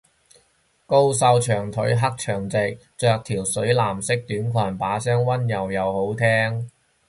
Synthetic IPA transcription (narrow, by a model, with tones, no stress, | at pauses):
ko˥wsɐ˧wt͡ʃʰœː˨˩ŋt̪ʰɵ˨˥ɥɦɐ˥k̚t͡ʃʰœː˨˩ŋt͡sɪ˨k̚ | t͡ʃœː˧k̚t̪ʰiː˨˩wsɵ˨˥ɥlaː˨˩msɪ˥k̚t̪yː˨˥nkʰʷwaː˨˩npaː˨˥sœː˥ŋwɐ˥njɐ˨wjɐ˨˧who˨˥wt̪ʰɛː˥ŋ